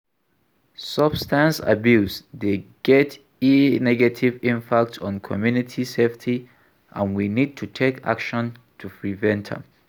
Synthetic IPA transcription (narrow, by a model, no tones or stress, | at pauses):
sʌb̥stãnsa̰bjusdeɡ̥ɛt | inɛɡatʰivĩmpʰak̚tsɔ̃nkʰɔ̰mjunitʰiseftʰi | ʔã̰nwinid̚tʰutʰekʰa̰kʃɔ̃ntʰupɹivɛ̃ntʰə̰̃